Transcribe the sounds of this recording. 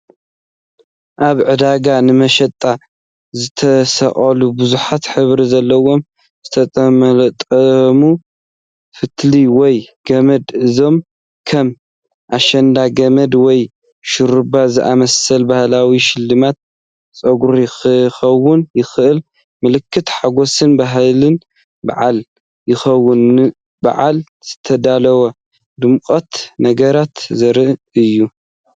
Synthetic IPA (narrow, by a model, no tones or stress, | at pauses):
ʔaβʕɨd̪aɡanɨmɐʃɐt̪ʼa | zɨt̪ʰɐsɐ̰χʼɐlubuzuħat̪ħɨβɾizɐlːɐwo̞m | z̥ɨt̪ʰɐt̪ʼɐmɐlt̪ʼɐmu | fɨt̪liwɔjɡ̥ɐmɐd̪ɨzo̞m | kʰɐm | ʔaʃɐnd̪aɡɐmɐd̪wɔj | ʃɨɾɨbazɨʔamɐsɐlbahlawiʃɪlːɨmat̪̚ | t͡sʼɐɡuɾjɪxɐwːʊnjɪxɨʔɨl | mɨlɨkʰːɨt̪ħaɡo̞sɨnbaɦlɨn | ba̰ʕal | jɪxɐwːʊnɨ | ba̰ʕal | z̥ɨt̪ʰɐd̪alɐwɐ | d̪ɨmkʼot̪nɐɡɐɾat̪zɐɾɨʔ | ɨjːu